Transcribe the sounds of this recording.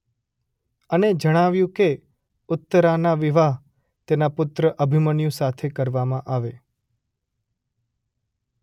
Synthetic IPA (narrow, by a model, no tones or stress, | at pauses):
əned͡ʒəɽ̃aʋjũke | ʊt̪ːəɾanaʋiʋaɦ | t̪enapʊt̪ɾəʔəbʱimənjũsat̪ʰekəɾʋamãʔaʋe